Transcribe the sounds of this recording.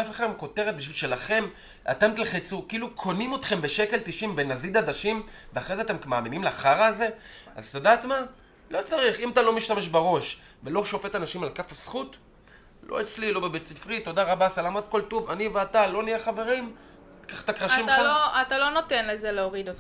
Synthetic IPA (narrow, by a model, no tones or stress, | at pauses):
afeχad̪emko̞te̞ʁet̪̚biʃvilʃe̞laχe̞m | ʔa̰t̪emt̪elχet͡suʁkiiːlukʰo̞nimo̞t̪χe̞mbe̞ʃe̞ke̞lt̪iʃimbe̞nazid̪ad̪aʃimveaχʁezeat̪e̞mkmaːmimimleaχaʁaːze̞ | a̰zt̪odaːt̪ma | lo̞t͡saʁiχimat̪alo̞miʃtame̞ʃbaʁo̞ʃ | velo̞ʃo̞fe̞tanaʃimalkafasχut | lʔo̰et͡slilo̞bebet͡sifʁit̪o̞daʁabasalamat̪̚ko̞ltovaniveatalo̞nijeχave̞ʁim | kaχt̪akʁaʃimloatalo̞notenlezeleoʁid̪ot̪